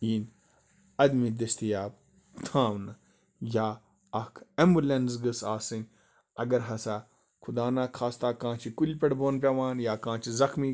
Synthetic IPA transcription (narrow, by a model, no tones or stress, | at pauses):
iːn | ɐd̪miːd̪ɐst̪ijaːb | t̪ʰãːʋnɨ | jaː | ɐkʰembulẽnsɡɨsaːsɨnʲ | ɐɡɐɾɦɐsaː | kʰʊd̪aːnaːkʰaːst̪aːkãːt͡ʃʰikulʲpɐɽbʱoːnpʲɐʋãːnjaːkãːt͡ʃʰizɐxmiː